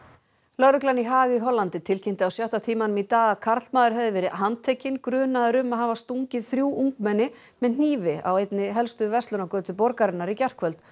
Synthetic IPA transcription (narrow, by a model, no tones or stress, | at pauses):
lœɾʏklaniɦaːɣiɦɔlːant̪ɪt̪ʰɪlcʰɛm̥t̪ɪawsjɔwht̪at̪ʰiːmanʏmit̪aːɣakʰaɾt̪lmaːðʏɾ̥ɦɛvðɪvɛːɾɪɦant̪ʰeːjcɪnkɾʏːnaðɪɾʏmaðɦaːvast̪uɲcɪðθɾjuːʔuŋkmɛnːɪ | mɛðn̥iːvɪa̰wejt̪nɪɦɛlst̪ʏvɛst̪ʏnakœːt̪ʏpɔɾkaɾɪnːaɾicɛr̥kʰvœlt̪